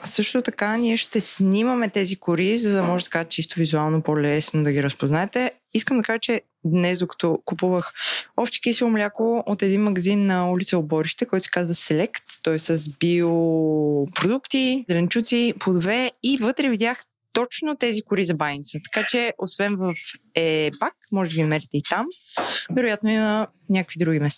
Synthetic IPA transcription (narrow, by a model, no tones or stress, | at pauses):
sɤʃt̪ot̪ɐkanʲiɛʃt̪ɛsnʲiməmɛt̪ɛzikʊɾizəd̪ɐmɔʒɛsɛ̥kaʒt̪t͡ʃist̪ovizualˠnopolɛsnod̪ɐɡiɾəspoznaɛt̪ɛ | iskəmd̪ɐkaʒət͡ʃɛ | d̪nɛzd̪okɐ̥t̪ɔkupuvəxɔpʃt̪ɛ̥kisiomlʲakoot̪ɛd̪inmɐɡɐzinːɐulʲit̪səobɔɾiʃt̪ɛkɔjt̪ʊ̥si̥kazvɐsɛlɛkt̪ːɔɛssəzbio | pɾod̪ukt̪izɛlɛnt͡ʃut̪sipod̪ovɛivɤt̪ɾɛvid̪ʲjax | t̪ɔt͡ʃnot̪ɛzikʊɾizɐbajnit̪sət̪ɐ̥kat͡ʃɛʔosvɛnvɐf | ɛbakmɔʒɛd̪əɡʲinɐmɛɾit̪ɛit̪amvɛɾojat̪noinɐ | nʲakə̥kvid̪ɾuɡimɛst̪a